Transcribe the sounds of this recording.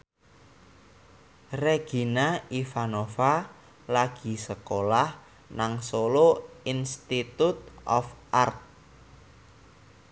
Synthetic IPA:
reɡ̥i̤naifanofa | laɡ̥i̤səkolah | naŋsoloinst̪it̪ut̪̚ʔɔ̰fʔart̪̚

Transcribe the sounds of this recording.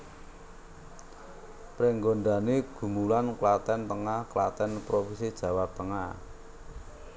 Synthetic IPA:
pɾeŋɡoɳɖaneɡ̥ṳmulanklat̪ɛnt̪əŋahklat̪ɛnpɾofisid̥ʒ̥ä̤wap̚t̪əŋah

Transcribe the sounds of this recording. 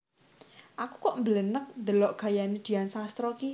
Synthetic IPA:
ʔakukɔʔmbələnək̚nd̪əlɔʔɡ̥ä̤janid̪̥i̤ansast̪ɾɔki

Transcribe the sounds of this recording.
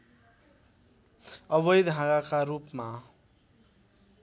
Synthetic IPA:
ʌβʌjd̪ʱɦãɡakaɾupma

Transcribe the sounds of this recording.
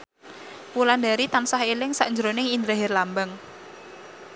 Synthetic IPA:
wulandaɾit̪ansahelɪŋsa̰ʔɲd͡ʒɾonɪŋind̪ɾaɦɪrlambaŋ

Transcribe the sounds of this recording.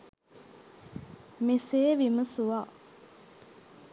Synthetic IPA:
meseːʋiməsuʋa

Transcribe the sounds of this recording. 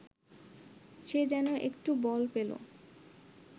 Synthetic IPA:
ʃed͡ʑɛnoʔekʈubɔlpelo̰

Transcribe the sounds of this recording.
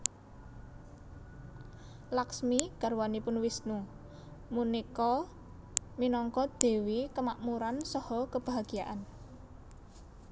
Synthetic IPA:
laksmiɡ̥a̤ɾwanipʊnwisnu | munikɔ | minɔŋkɔd̪̥e̤wikəmaʔmuɾansɔhɔkəb̥a̤ɦaɡ̥ijaʔan

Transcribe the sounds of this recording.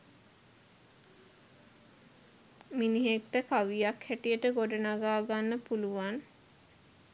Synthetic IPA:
miniɦekʈəkaʋijakhæʈijəʈəɡoɖənaɡaːɡanːəpuluʋan

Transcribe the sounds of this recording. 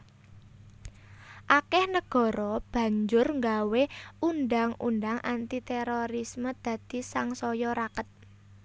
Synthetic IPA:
ʔakɛhnəɡ̥ɔ̤ɾɔb̥ä̤ɲd͡ʒʊrŋɡaweunɖaŋṵnd̪aŋʔant̪it̪ɛɾoɾisməd̪̥ä̤d̪̥i̤saŋsɔjɔɾakət̪̚

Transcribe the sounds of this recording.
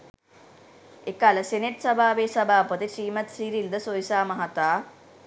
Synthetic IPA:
ekaːlɐseneʈsɐbʱaːʋeːsɐbʱaːpɐt̪iʃiːmɐt̪siːɾild̪ɐsoːjsaːmɐɦɐt̪aː

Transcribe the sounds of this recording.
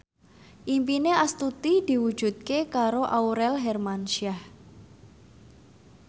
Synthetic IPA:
ʔimpineast̪ut̪id̪̥i̤wud̥ʒ̥ṳt̪̚kekaɾoʔauɾɛlɦɛrmanʃiah

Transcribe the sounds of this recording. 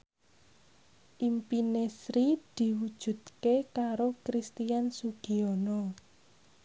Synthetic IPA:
ʔimpinesɾid̪̥i̤wud̥ʒ̥ṳt̪̚kekaɾokɾist̪ijansuɡ̥iɔnɔ

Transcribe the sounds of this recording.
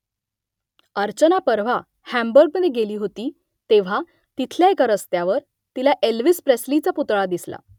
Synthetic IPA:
əɾt͡ɕənapəɾʋ̤a | hæmbəɾɡ̚əneɡeliːɦot̪iː | t̪eʋ̤a | t̪it̪ʰljaekəɾəst̪jaʋəɾ | t̪ilaʔelʋispɾeslit͡saput̪ɭad̪isla̰

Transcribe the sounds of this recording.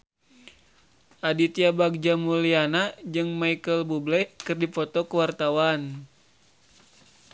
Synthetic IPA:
ʔadit̪iabaɡ̚d͡ʒamulianad͡ʒɨŋmaikəlbublɛkɨrdipɔt̪ɔkəwart̪awan

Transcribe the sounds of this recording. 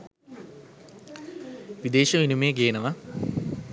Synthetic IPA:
ʋid̪eːʃɐʋinumeːɡeːnəʋɐ

